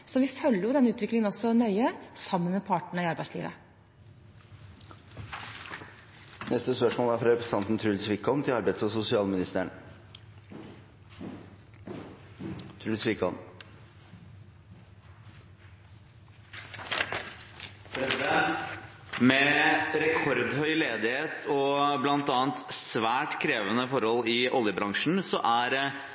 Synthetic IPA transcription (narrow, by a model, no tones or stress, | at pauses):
sɔʋɪfœlːəɾjʊd̪ɛnːəʉːt̪ʋɪklɪŋənɔsɔnœʏəsɑmːənmɛpʰɑːʈɳəɪɑɾbæɪslḭːʋə̰ | nɛst̪əspœʂmoːlæɾfɾɾɛpɾəst̪ʰɑnt̪n̩t̪ʰɾʉlsʋɪkʰɔmt̪ʰɪlɑɾbæɪd̪sɔsʊsɪɑːlmɪnɪst̪əɳ | t̪ʰɾʉlsʋɪkɔm | pʰɾɛsɪd̪ɛnt̪mɛɾɛkʰɔɾd̪hœʏleːd̪ɪheːt̪ʰɔblɑnt̪ɑːnt̪sʋæːʈkʰɾeːʋənəfɔɾhɔlɪʔɔljəbɾɑŋʂn̩sɔʔæɾ